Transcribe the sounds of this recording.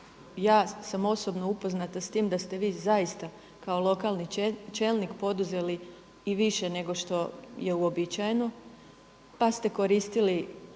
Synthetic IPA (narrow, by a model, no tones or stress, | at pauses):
jaːsamo̞so̞bno̞upo̞znat̪ast̪iːmd̪ast̪e̞ʋiːzajist̪a | kaolˠo̞kaːlˠnit͡ʃeːlˠnikpo̞d̪uze̞li | iʋiʃene̞ɡo̞ʃt̪o̞je̞uo̞bit͡ʃajeno | past̪e̞ko̞ɾiːst̪ili